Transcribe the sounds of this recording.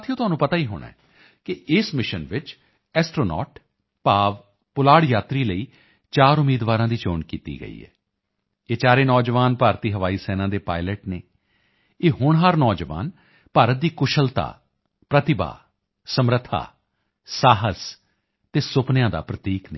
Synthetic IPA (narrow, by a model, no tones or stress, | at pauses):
t̪ʰijõːt̪ʊaːnũːpət̪aːiːɦo̰ːɽɳã̰ɛː | kɪɪsmɪʃənʋɪt͡ʃ | ɛːsʈɾoːnɔ̰ːʈ | paːʋ | pʊlaːɽjaːt̪ɾiːləiː | t͡ʃaːɾʊmiːd̪ʋaːɾãːd̪iːt͡ʃoːɳkiːt̪ḭːɡə̰ḭːɛ̰ː | eːt͡ʃaːɾeːnɔːd͡ʒʋaːnpaːɾt̪iːɦəʋaːiːsɛːnãːd̪eːpaːɪləʈneː | eːɦʊɳɦaːɾnɔːd͡ʒʋa̰ːn | paːɾət̪̚d̪iːkʊʃəlt̪a̰ː | pɾət̪ɪba̰ː | səmɾət̪ʰːa̰ː | saːɦəs | t̪eːsʊpnjãːd̪a̰ːpɾət̪iːknḛ̃ː